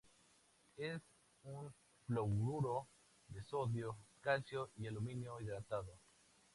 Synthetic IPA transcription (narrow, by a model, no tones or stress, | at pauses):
es | uŋ | flowɾuɾo | d̪esoðjoskalsjoialumĩnjoiðɾat̪aðo